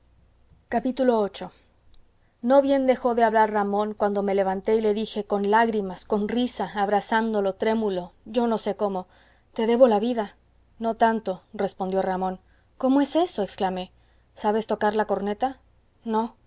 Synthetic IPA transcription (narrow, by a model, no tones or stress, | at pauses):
kapit̪ulo̞ot͡ʃo̞ | no̞βje̞nd̪e̞xo̞ðeaβlaɾramõ̞ŋkwand̪o̞me̞le̞β̞ant̪e̞ile̞ðixeko̞nlaɣɾimasko̞nrisaːβɾasand̪o̞lo̞t̪ɾe̞mulo̞ʝo̞no̞se̞ko̞mo̞ | t̪e̞ðe̞βo̞laβiða | no̞t̪ant̪o̞re̞spo̞nd̪jo̞ramõ̞n | ko̞mo̞e̞se̞so̞eksklame̞ | saβe̞st̪o̞kaɾlako̞ɾne̞t̪a | no̞